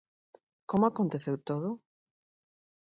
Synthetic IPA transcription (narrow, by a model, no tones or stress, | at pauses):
komoakont̪eθewt̪oðʊ